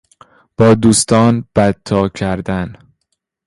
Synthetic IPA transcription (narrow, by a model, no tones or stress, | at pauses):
b̥ɒːd̪uːst̪ɒːnb̥æt̪ʰːɒːcʰæɾd̪æn